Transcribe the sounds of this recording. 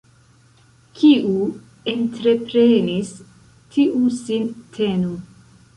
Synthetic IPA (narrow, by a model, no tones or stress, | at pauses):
kʰiu | entɾe̞pɾenis | tʰiʔusintʰenu